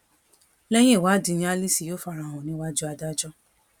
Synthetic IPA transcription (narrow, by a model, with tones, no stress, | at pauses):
lɛ˦j̃ĩ˦i˦˨wa˨˦di˧jĩ˧˦a˧˦li˦si˧˨jo˦fa˧ɾa˨ɔ̃˨nĩ˨˦wa˦d͡ʒu˦a˧da˦d͡ʒɔ˦